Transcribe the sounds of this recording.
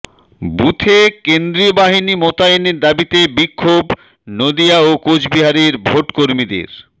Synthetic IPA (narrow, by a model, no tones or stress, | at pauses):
but̪ʰekend̪ɾiobaɦinimot̪aeneɾd̪abit̪ebikʰːob | nod̪iaokod͡ʑbiɦaɾiɾbʱoʈkoɾmid̪ḛɾ